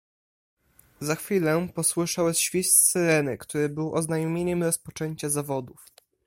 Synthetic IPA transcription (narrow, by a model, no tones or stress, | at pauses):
zaxfʲilɛpɔswɘʂawɛsɕfʲist̪sɘɾɛnɘkt̪uɾɘbɘwʔɔznajɔmʲjeɲɛmɾɔspɔt͡ʂɛɲt͡ɕazavɔd̪uf